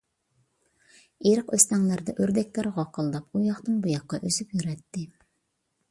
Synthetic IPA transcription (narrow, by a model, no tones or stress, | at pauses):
eɾɨqøst̪ɛŋlæɾd̪ɛʔøɾd̪ɛkʲlæɾʁɑqʰəlˠd̪ɑpujɑχt̪ɨnbujɑqːɑʔøzypjyɾɛt̪ːɪ